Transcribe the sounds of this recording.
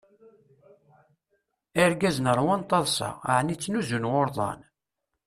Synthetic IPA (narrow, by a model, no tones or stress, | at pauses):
əɾɡæznəɾˤwɑnt̪ˤːɑðˤsɑ̰ʕnit͡sːnuzunwʊɾˤðˤɑ̰n